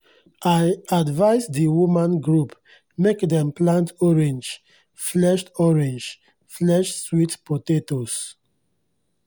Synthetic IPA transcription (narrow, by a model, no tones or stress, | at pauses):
ajadvaɪsdiwumãnɡɹup | mekdɛ̃mplãntʰɔɹɛ̃nd͡ʒ | flɛʃtɔɹɛ̃nd͡ʒ | flɛʃswitpotetos